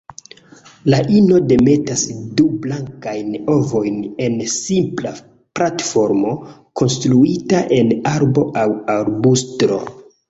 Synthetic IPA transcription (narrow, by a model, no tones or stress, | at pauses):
laʔino̞de̞me̞tasdublaŋkajno̞vo̞jne̞nsimpla | platfo̞ɾmo̞ko̞nstɾuitaʔe̞naɾbo̞ʔawaɾbustɾo̞̰